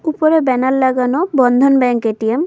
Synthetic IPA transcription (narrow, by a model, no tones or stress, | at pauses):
upɔɾebɛnalːaɡanɔbɔnd̪ʱɔnbɛŋkeʈijem